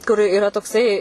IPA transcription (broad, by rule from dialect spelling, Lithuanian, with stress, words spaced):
kʊr ɪˈrɐ toːkˈsɐɪ